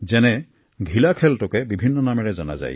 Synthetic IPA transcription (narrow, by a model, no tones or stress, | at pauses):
zɛnɛ | ɡʱilakʰɛltɔkɛbibʱinːɔnamɛɹɛzɔna̰za̰j